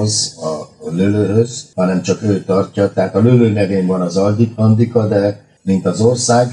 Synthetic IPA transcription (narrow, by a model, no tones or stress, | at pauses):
zɒløløːɦøzhɒnɛmt͡ʃɒkøːt̪ɒrcɒt̪ɛɦaːt̪ɒløløːnɛveːɱvɒnɒzɒld̪ikɒnd̪ikɒd̪ɛ | mint̪ɒzo̞rsaːɡ